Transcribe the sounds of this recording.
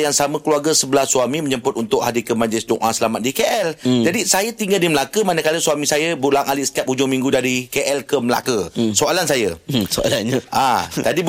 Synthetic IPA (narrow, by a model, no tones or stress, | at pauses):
jaŋsamə̃kluarɡəsəbəlahsuamiməɲəmpʊt̪unt̪ʊʔ̚hadikəmãd͡ʒlɪsdoŋʔasəlamat̪̚dikeʔɛld͡ʒadisajat̪iŋɡaldiməlakəmanəkaləsuamĩsajəbulaŋaliʔsə̥kiap̚hud͡ʒʊŋmĩŋɡudaɾikeʔɛlkəməla̰kəsoalansajəsoa̰lanɲaʔatadib